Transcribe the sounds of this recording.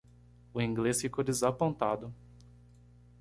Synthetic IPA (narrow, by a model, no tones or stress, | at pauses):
ʊĩŋɡlesfikod̪ezapõnt̪ad̪ʊ